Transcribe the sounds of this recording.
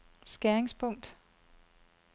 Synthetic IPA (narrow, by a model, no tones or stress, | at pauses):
sɡ̥æɐeŋspʰɔ̽ŋ̰d̥